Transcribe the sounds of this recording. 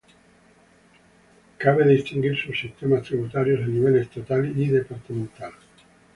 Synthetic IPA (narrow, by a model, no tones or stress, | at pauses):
kaβeðist̪iŋɡiɾsusːist̪emast̪ɾiβut̪aɾjosaniβelest̪at̪aliiðepaɾt̪amẽnt̪al